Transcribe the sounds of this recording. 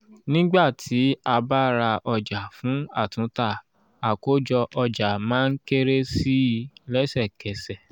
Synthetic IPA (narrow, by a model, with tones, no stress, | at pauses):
nĩ˦ɡ͡ba˦˨tʰi˨˦a˧ba˦˨ɾa˧ʔɔ˧d͡ʒa˨fũ˨˦a̰˦˨tũ˨˦ta˦˨ | a˨ko˨˦d͡ʒɔ˧ʔɔ˧d͡ʒa˨mãː˦n̩˦ke˦ɾe˦si˦lɛ˦sɛ˦˨kɛ˨sɛ˨